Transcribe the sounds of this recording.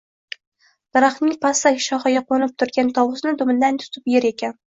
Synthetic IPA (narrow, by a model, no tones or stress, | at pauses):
d̪̥ɑɾɑχnɪŋpʰɑsɑɡʲʃɒχɑɡʲɑqonɪp̚t̪ʰʊɾɡʲant̪ʰɒwʊsnɪd̪ʊmɪnd̪ant̪ʰʊ̥t̪ʰɪpjeɾekʲɛn